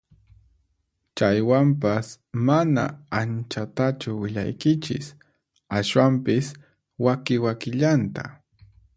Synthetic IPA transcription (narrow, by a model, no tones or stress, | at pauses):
t͡ʃajwamp̬as | mana̰ant͡ʃat̪at͡ʃʊwɪʎa̰jkɪt͡ʃɪ̰s | aswampɪs | wakɪwakɪʎant̪a̰